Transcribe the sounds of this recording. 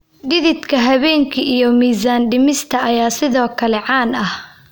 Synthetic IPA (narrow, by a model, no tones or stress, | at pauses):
ɖɪðɪd̪kʰɐɦɐβɛːŋkʰɐʔijɔmiːsaːnɖɪmɪst̪ʰɐɐjaːsɪðɔːkʰɐlɛʕɑːnɐh